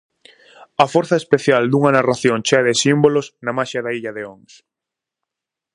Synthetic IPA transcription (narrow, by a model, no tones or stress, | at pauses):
ɐfɔɾθɐespeθjald̪uŋɐnaraθjõnt͡ʃeɐðɪsimbolosnɐmaʃɐðaiʎɐðeoŋs